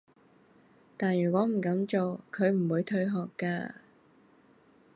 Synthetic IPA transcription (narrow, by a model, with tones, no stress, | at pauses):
t̪aː˨njyː˨˩kʷɔː˨˥m̩˨˩kɐ˨˥mt͡ʃo˨wkʰɵ˨˧ɥm̩˨˩wuː˨˧jt̪ʰɵ˧ɥɦɔː˨kːaː˧